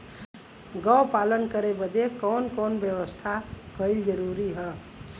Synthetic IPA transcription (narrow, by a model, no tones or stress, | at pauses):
ɡəwpalənkəɾebəd̪ekɔnkonbjəʋəst̪ʰapʰəɪld͡ʒəɾuɾiɦə